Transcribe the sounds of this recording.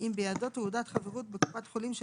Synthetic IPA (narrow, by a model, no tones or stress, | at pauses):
imbejadot̪eud̪at̪χaveʁut̪̚beku̥pat̪χolimʃ